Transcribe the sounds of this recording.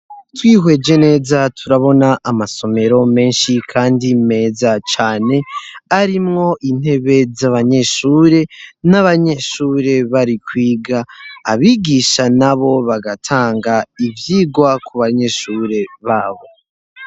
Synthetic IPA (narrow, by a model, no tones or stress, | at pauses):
twiːhwe̞ːd͡ʒe̞ne̞ːzatʰuɾaβo̞naʔamaso̞me̞ɾo̞me̞ːnʃikʰaːndime̞ːzat͡ʃaːne̞aɾimŋo̞ʔin̥he̞βe̞zaβaɲe̞ʃuːɾe̞naβaɲe̞ʃuːɾe̞βaɾikwiːɡaːβiːɡiʃanaβo̞βaɡatʰaːŋɡaivjiːɡwakuβaɲe̞ʃuːɾe̞βaːβo̞